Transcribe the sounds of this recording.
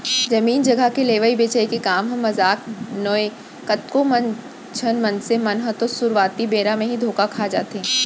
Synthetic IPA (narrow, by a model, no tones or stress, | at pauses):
d͡ʒɐmiːnd͡ʒɐɡʱakeleːʋəibeːt͡ʃəekekaːmɦɐ̃mːɐzaːknoe | kɐt̪kõmɐ̃n | t͡ʃʰənmɐnsemɐnɦət̪osʊɾʋaːt̪ibeːɾamẽɦid̪ʱoːkakʰaːd͡ʒaːt̪eɦɛ̃ː